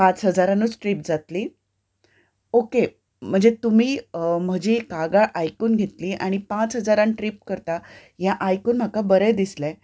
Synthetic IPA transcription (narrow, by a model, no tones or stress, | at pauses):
pãt͡sɦəd͡zaɾanuːt͡sʈɾip̚d͡zat̪liː | oke | m̤əɳd͡zet̪um̤iːm̤əd͡ʑikaɡaɭʔajkuːnɡʱet̪liːʔaɽ̃ipat͡sɦəd͡zaɾanʈɾip̚kəɾt̪a | jãʔajkuːnm̤akabəɾəjd̪islɛ̃